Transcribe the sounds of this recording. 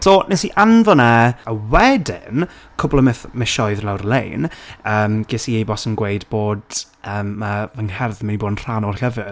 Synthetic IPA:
sonesiʔanvɔnaəwɛdɪ̰n | kʰʊblˠəmmɪʃɔɨðnawrlˠḛjnəːmɡ̥esiejbɔsənɡwejdboːd | əːmːavəŋɦɛrðmaiboːdnr̥anɔrɬəvɨ

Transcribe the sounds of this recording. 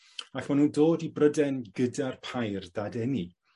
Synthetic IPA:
akmanuːndoːdibrədɛnɡədarpʰajrdadɛni

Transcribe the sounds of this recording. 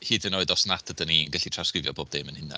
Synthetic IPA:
hiːdənoːɨðɔsnatʰədəninɡəɬitʰraskrɪvjɔ̰boːb̚d̥eːmənhɪna̰

